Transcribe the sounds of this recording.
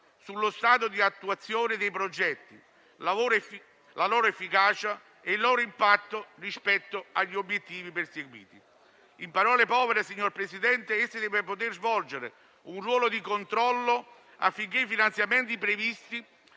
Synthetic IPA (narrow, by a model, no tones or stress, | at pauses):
sulːost̪aːt̪̬od̪iat̪ːuat̪sːjoːnɪd̪ejpɾod͡ʒɛt̪ːḭ | lavoːɾ | lalɔːɾoefːikaːt͡ʃa | eilːɔːɾoimpat̪ːorispɛt̪ːoaʎːiobːjet̪ːiːviperseɡwḭːt̪i | impaɾɔːlepɔːveɾesiɲːorpɾesid̪ɛnt̪eesːid̪ɛːvepot̪ɪrzvɔld͡ʒeɾɪ̰ | unrwɔːlod̪ikont̪ɾɔlːo | a̰fːiŋk̟eifinant̪sjament̪ipɾevist̪i